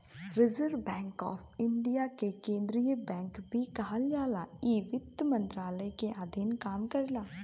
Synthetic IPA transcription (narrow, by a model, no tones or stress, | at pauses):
ɾɪzəɾʋbɛ̃ːŋkɔ̰ːpʰɪɳɖijaːkekẽːnd̪ɾijəbɛ̃ːŋkbʱiːkaɦald͡ʒaːlaːiʋɪt̪mə̃nt̪ɾaːləikeʔaːd̪ʱiːnkaːmkəɾlaː